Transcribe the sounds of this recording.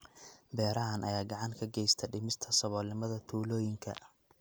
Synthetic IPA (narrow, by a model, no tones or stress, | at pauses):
bɛːɾɐɦɐnʔɐjaːɡɑʕɑŋkʰɐɡɛjst̪ʰɐɖɪmɪst̪ʰɐsɔβɔːlnɪmɐðɐt̪ʰuːlɔːjɪŋkʰɐ̰